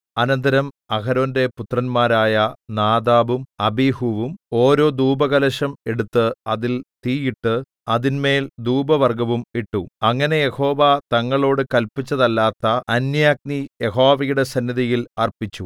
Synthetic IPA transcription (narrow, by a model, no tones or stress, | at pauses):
ɐnɐnd̪ɐɾɐm | ɐkɐɾo̞ːnde̞put̪rɐnmaːɾaːjɐnaːd̪aːʋumɐbihuʋumo̞ːɾo̞ːd̪uːbɐɣɐlɐɕɐme̞ɽut̪ːɨɐðilt̪iːjiʈːɨ | ɐðinme̞ːld̪uːbɐʋɐrɡɐʋumiʈːuɐŋːɐne̞je̞ho̞ːʋat̪ɐŋːɐɭo̞ːɽɨkɐlpit͡ɕːɐðɐlːaːt̪ːɐɐnjaːk̚nije̞ɦo̞ːʋɐjuɽe̞sɐnːiðɐjilɐrpit͡ɕːu